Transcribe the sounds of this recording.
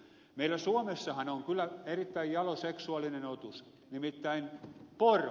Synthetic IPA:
meilːˑæsuomesːɑhɑnoŋkylːˑæerit̪ːæijjɑloseksuɑlːinenot̪us | nimit̪ːæinpor

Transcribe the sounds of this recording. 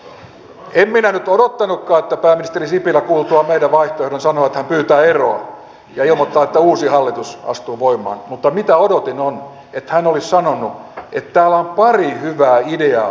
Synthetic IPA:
emminænyt̪odot̪ːɑnukːɑːet̪ːæpæːmːinist̪erisipilækuːlt̪uɑmeidæʋʋɑiht̪oehdonsɑnoɑet̪hæmpyːt̪æːeroɑ | jɑilmot̪ːɑːet̪ːæuːsihɑlːit̪usɑ̰st̪uːʋoimˑɑ̰ːnmut̪ːɑmit̪æodot̪inon | et̪hænolissɑnonuʔet̪tæːlːæompɑrihyʋæːideɑː

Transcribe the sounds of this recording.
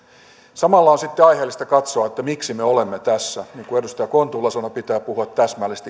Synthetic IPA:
sɑmɑlːɑonsit̪ːeɑjheːlːist̪ɑkɑt̪soɑet̪ːæmiksimeolemːet̪æsːæniːŋkuedust̪ɑjɑkont̪uːlːɑsonɑpit̪æːpuhuɑt̪tæsmælːest̪i

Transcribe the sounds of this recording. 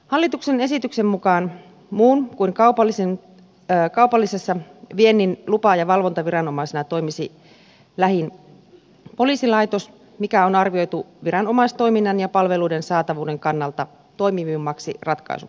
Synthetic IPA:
hɑlːit̪uksene̞sit̪yksemmukɑːn | muːnkuiŋkɑupɑlːisen | kɑupɑlːisesːɑʋienːinlupɑjɑʋɑlʋont̪ɑʋiɾɑno̞mɑisenɑt̪o̞jmisi | læɦin | po̞liːsilɑjt̪o̞s | mikæonɑrʋio̞jt̪uʋiɾɑno̞mɑst̪o̞jminːɑnjɑpɑlʋe̞luidensɑːt̪ɑʋuːde̞ŋkɑnːɑlt̪ɑ | t̪o̞ijmiʋimːɑksirɑt̪kɑ̰isṵ

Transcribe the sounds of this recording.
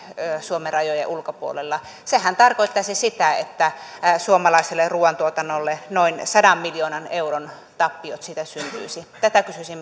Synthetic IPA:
øsuomerɑjojḛʔulkopuo̰lelːɑ | sehænt̪ɑrkoit̪ːɑsisit̪æḛt̪ːæsuomɑlɑˑiselːeruːɑnt̪uot̪ɑnːolːenoinsɑdɑmːiljoːnɑneuron | t̪ɑpːiot̪sit̪æsynt̪y̰isit̪æt̪ækysysimː

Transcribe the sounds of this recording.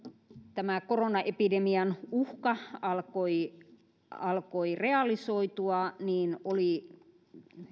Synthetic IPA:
t̪æmækoronɑʔepidemiɑnuhkɑɑlkoi | ɑlkoireɑlisoit̪uɑniːnoli

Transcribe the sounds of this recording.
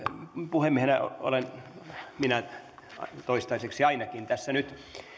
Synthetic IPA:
puhemːiehenæo̰o̰lenminæ | t̪oist̪ɑiseksiɑinɑkint̪æsːænyt̪

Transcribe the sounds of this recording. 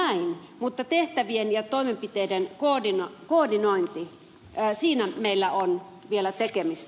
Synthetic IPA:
æin | mut̪ːɑt̪eht̪æʋienjɑt̪oimempit̪eidenkodinokoːdinoint̪i | siːnæmeilːæon | ʋielæt̪ekemist̪æ

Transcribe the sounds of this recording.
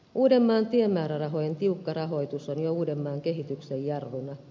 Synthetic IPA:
uːde̞mːɑːnt̪iemːæːɾærɑɦojent̪iukːɑrɑɦo̞jt̪usonjouːdemːɑːŋke̞ɦit̪yksejjɑrʋunɑ

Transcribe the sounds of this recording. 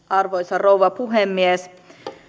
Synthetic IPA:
ɑrʋojsɑrowʋɑpuɦemːies

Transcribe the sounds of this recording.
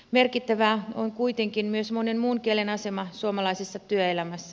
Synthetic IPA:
merkit̪ːæʋæoŋkuit̪eŋkinmyøsmonenmuːŋkielenɑsemɑsuomɑlɑisesːɑt̪yøelæmæsːæ

